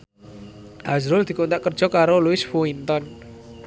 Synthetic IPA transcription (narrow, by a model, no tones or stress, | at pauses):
ʔazɾʊld̪̥i̤kunt̪aʔkərd̥ʒ̥ɔ̤kaɾoluɪsfuint̪ɔn